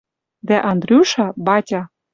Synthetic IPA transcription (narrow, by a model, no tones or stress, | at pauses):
d̪æʔɑnd̪ɾʲiuʃɑbɑtʲɑ